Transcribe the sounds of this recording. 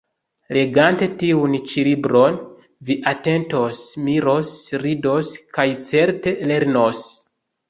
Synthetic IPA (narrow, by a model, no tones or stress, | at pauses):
le̞ɡante̞tiunt͡ʃilibɾo̞n | viʔate̞ntosmiɾo̞sɾido̞skajt͡se̞ɾte̞le̞ɾno̞s